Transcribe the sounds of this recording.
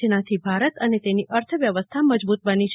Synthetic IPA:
nat̪ʰibʱaɾət̪ənet̪eniʔəɾt̪ʰəʋjəʋəst̪ʰaməd͡ʒbut̪ʋənit͡ʃʰ

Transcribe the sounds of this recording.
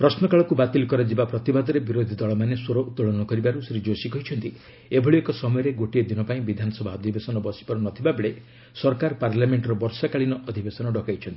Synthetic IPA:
pɾɔsnɔkaɭɔkubat̪ilkɔɾad͡ʒibapɾɔt̪ibad̪ɔɾebiɾod̪ʱid̪ɔɭɔmanesoɾɔʔut̪ːɔɭɔnɔkɔɾibaɾusɾid͡ʒosikɔɦjt͡ʃʰɔnt̪i | ebʱɔɭiekɔsɔmɔjɔɾeɡoʈied̪inɔpaĩbid̪ʱanɔsɔbʱaɔd̪ʱibesɔnɔbɔsi̥pɔɾɔnɔt̪ʰibabeɭe | sɔɾkaɾɔpaɾlameɳʈɾɔbɔɾsakaɭinɔʔɔd̪ʱibesɔnɔɖɔkajt͡ʃʰɔnt̪i

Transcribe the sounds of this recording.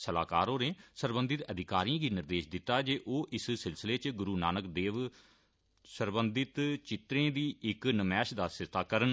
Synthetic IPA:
səla̰ːkaːɾoːnẽːsəɾbənd̪ɪt̪əd̪ʱɪkaːɾiãːɡiːnɪɾd̪eːʃd̪ɪt̪ːaːd͡ʒeːʔoːʔɪssɪlsɪleːt͡ʃɡʊɾuːnaːnəkd̪eːʋ | səɾbənd̪ɪt̪t͡ʃɪt̪ɾẽːd̪iːɪknəmɛːʃd̪aːsɪst̪ʰaːkəɾən

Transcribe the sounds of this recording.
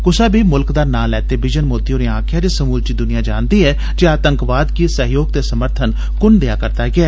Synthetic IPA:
kʊsaːbʱiːmʊlkd̪aːnaːlɛːt̪eːbɪd͡ʒənmoːt̪ijõːneːãːkʰɪjaːd͡ʒeːsəmuːld͡ʒiːd̪ʊnɪjãːd͡ʒaːnd̪iːɦɛː | d͡ʒeːaːt̪əŋkʋaːd̪kiːsəɦjoːɡ̚t̪eːsəməɾt̪ʰən | kʊnd̪eaːkəɾt̪aːɡɪaː

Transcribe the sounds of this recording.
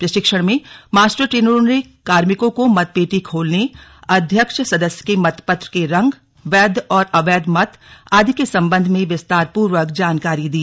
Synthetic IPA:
pɾɐʃɪkʃəɽ̃mẽmaːsʈəʈɾeːnəɾõne | kaːɾmɪkõkomɐt̪̚peːʈikʰoːlneɐd̪ʱjəkʃsɐd̪əsjə̥kemɐt̪ʰpət̪ɾəkeɾɐ̃ŋɡ | ʋɛːd̪ʱɔːɾɐʋɛːd̪mɐt̪aːd̪ʱikesɐ̃mbə̃nd̪ʱmẽʋɪst̪aːɾpuːɾʋəkd͡ʒaːnkaːɾid̪iː

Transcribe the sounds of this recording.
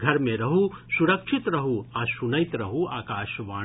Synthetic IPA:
ɡʱɐɾmẽɾɐɦusuɾɐkʃʰit̪ɾɐɦuãsunɐjt̪ɾɐɦuaːkaːʃʋaː

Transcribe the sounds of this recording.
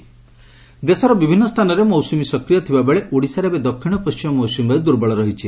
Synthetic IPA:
d̪esɔɾɔbibʱinːɔst̪ʰanɔɾemɔwsumisɔkɾijɔt̪ʰibabeɭeʔoɽisaɾebed̪ɔkʰːiɽ̃ɔpɔst͡ʃimɔmɔwsumbajd̪uɾbɔɭɔɾɔɦit͡ʃʰi

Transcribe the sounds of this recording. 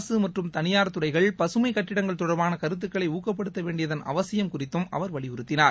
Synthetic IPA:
sɯmɐʈrɯmt̪ɐnɪjaːɾt̪ːɯrɐɪɣɐɭpɐsɯmɐɪkːɐʈːɪɽɐŋɡɐɭt̪ʊɽɐɾbaːnɐkɐɾɯt̪̬ːɯkːɐɭɐɪuːkːɐpːɐɽɯt̪ːɐʋeːɳɖɪjɐðɐnʔɐ̰ʋɐsɪjɐmkʊrɪt̪ːɯmʔɐ̰ʋɐɾʋɐɭɪʊɾɯt̪ːɪnaːɾ

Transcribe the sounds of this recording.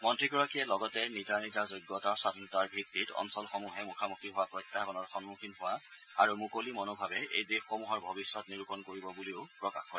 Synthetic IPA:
mɔntɹiɡɔɹakijɛlɔɡɔtɛnizanizazojɡːɔtasadʱinɔtaɹbʱitːitɔ̰nsɔlxɔmuɦɛmukʰamukʰiɦʊwapɹɔjtʰːakɔnɔɹxɔnmukʰinɦʊwa | aɹumukolimɔnobʱabɛḛjdexːomuɦɔɹbʱɔbisːɔtniɹukɔnkoɹibɔbuliʊpɹɔka̰xkɔɹɛ

